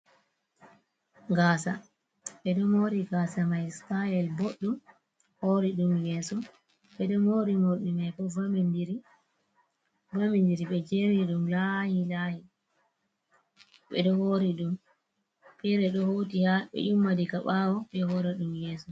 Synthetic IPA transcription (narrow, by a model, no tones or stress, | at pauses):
ɡaːsa | ɓɛɗɔmoɾiɡasamajspajɛlboɗːum | hoɾiɗumjɛːsɔ | ɓɛdɔmoɾimoɗimajbɔvamndiɾi | vamindiɾiɓɛd͡ʒeɾiɗumlahilahi | ɓɛ̰ɗɔhoɾiɗum | pɛɾɛɗɔhowtihaɓɛ̰ʔumːadikaɓawɔɓɛhɔɾɛɗumjɛːsɔ